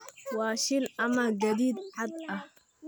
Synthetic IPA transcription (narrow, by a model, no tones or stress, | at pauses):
wɑːʃɪlɐmɐɡɐd̪iːd̪ħʕad̪ɐh